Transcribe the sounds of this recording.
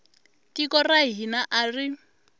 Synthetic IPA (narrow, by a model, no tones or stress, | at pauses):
kʼikɔraɦinaʔari